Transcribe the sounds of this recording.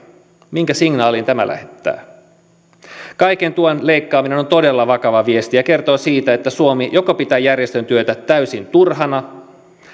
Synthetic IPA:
miŋkæsiŋnɑːlint̪æmæ̰lʔæ̰het̪ːæ̰ː | kɑikent̪uonle̞ikːɑːmine̞nont̪o̞delːɑʋɑkɑʋɑʋie̞st̪ijɑke̞rt̪o̞ːsiːt̪æet̪ːæsuomijokopit̪æːjærjest̪ønt̪yøt̪æt̪æɥysint̪urɦɑnɑ

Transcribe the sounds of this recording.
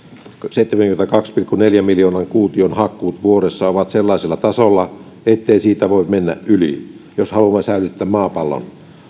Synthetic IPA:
seit̪ːemæŋkyment̪ækɑkspilkːuneljæmiljoːnɑŋkuːt̪ionhɑkːˑuːt̪ʋuoɾesːɑoʋɑt̪selːɑˑiselːɑt̪ɑsolːɑ | et̪ːeisiːt̪æʋoimenːæ̰ʔʔylḭ | joshɑlumːɑsæˑylyt̪ːæːmɑːpɑlːo̰n

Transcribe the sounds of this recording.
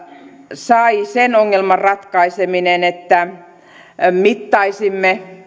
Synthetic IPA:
sɑisenoŋːelmɑrrɑt̪kɑiseminenet̪ːæ | mit̪ːɑisimːe

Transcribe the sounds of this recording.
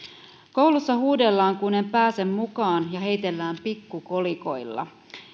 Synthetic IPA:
ko̞wlusːɑhuːde̞lːɑːŋkune̞mpæːse̞mːukɑːnjɑɦe̞jt̪e̞lːæːmpikːuko̞liko̞jlːɑ̰

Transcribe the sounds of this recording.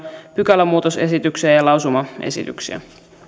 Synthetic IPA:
pykælːæmːuːt̪ose̞sit̪yksiæjɑlɑwsumɑʔe̞̰sḭt̪yksḭæ̰

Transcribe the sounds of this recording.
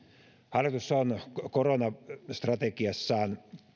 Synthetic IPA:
hɑljɑt̪usːɑonkoronɑst̪rɑt̪ekiɑsːɑːn

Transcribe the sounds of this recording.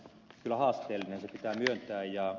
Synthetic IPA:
kylæhɑːst̪eːlːinensepit̪æːmyønt̪æːjjɑ

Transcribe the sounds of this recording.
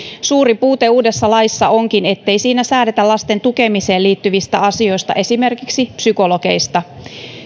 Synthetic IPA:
suːɾipuːt̪e̞uːde̞sːɑlɑjsːɑoŋkine̞t̪ːe̞jsiːnæsæːdet̪ælɑst̪e̞nt̪uke̞mise̞ːliːt̪ːyʋist̪æɑsio̞jst̪ɑ̰ʔe̞sime̞rkiksipsyko̞lo̞ke̞̰jst̪ɑ

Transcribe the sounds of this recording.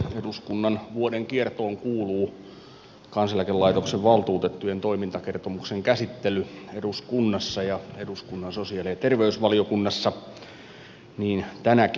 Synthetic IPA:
eduskunːɑnʋuodeŋkiert̪oːŋkuːluː | kɑnsɑlækelɑit̪okseʋʋɑlt̪uːt̪et̪ːujent̪oimint̪ɑkert̪omukseŋkæsit̪ːelyeduskunːɑsːɑjɑeduskunːɑnsosiɑliɑt̪erʋeysʋɑliokunːɑsːɑ | niːnt̪ænæk

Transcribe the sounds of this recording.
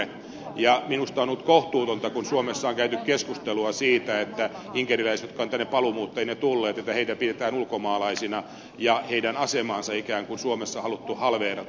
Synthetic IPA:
jɑminust̪ɑonut̪koht̪uːt̪ont̪ɑkunsuomesːɑoŋkæyt̪ykkeskust̪eluɑsiːt̪æet̪ːæiŋkerilæisjot̪kɑont̪ænːepɑlumuːt̪ːɑinet̪ulːeːt̪et̪ːæheit̪æpidet̪æːnulkomɑːlɑisinɑ | jɑheidænɑsemɑːnsɑikæːŋkunsuomesːɑhɑlut̪ːuhɑlʋeːrɑ

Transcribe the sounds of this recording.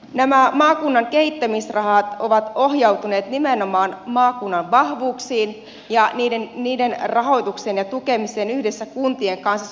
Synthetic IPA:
næmæmɑːkunːɑŋkeit̪ːæmisrɑhɑt̪o̞ʋɑt̪o̞hjɑwt̪une̞ːt̪nimenomɑːnmɑːkunːɑnʋɑhʋuːksiːn | jɑniːdenniːdenrɑɦo̞jt̪uksenjɑt̪ukemiseːnyhdesːækunt̪ieŋkɑnsːɑ

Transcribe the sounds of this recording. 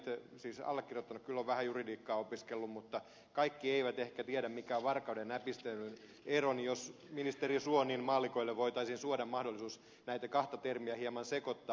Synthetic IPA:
t̪siːsɑ̰lːekːirjot̪ːɑnukkylːoʋʋæhæjuridiːkːɑːopiskelːummut̪ːɑ | kɑikːieiʋæt̪ehkæt̪iæɾæmmikæːʋɑrkɑudenæːpist̪enːyn | eronijos | minist̪erisuoniːnmɑːlːˑikoilːeʋʋoit̪ɑisinsuodɑmmɑhdolːˑisuːs | næit̪ækɑht̪ɑt̪ermiæhiemɑnsekot̪ːɑ

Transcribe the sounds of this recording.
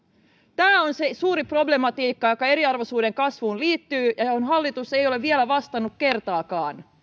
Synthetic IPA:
t̪æːonsesuːɾipro̞ble̞mɑt̪iːkːɑjo̞kɑe̞ɾiɑrʋosuːdeŋkɑsʋuːnliːt̪ːyːjɑonɦɑlːit̪use̞jo̞le̞ʋʋielæʋɑst̪ɑnːukke̞rt̪ɑːkɑːn

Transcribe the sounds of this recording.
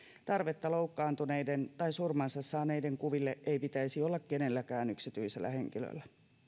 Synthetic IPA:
t̪ɑrʋet̪ːɑloukːɑːnt̪uneident̪ɑisurmɑnsɑsːɑːneideŋkuʋilːeʔeipit̪æisiolːɑkkenelːækæːnyksit̪yiselːæ̰heŋkilø̰ilːæ

